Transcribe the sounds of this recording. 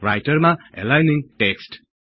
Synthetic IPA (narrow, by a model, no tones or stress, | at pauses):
ɹajtəɹmaɛ̰lajniŋʈeksʈ